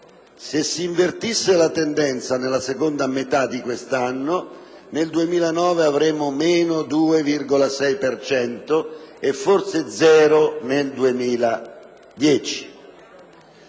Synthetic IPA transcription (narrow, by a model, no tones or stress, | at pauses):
sesːiːɱvert̪isːelat̪end̪ɛnt̪sanelasekond̪amet̪ad̪ikwest̪anːo | neld̪uemiːlanɔːveavɾeːmʊmeːnʊd̪uːevirɡolasɛjpert͡ʃɛnt̪oefːorsed̪zɛːɾoneld̪uemiːla | d̪jɛːt͡ʃi̥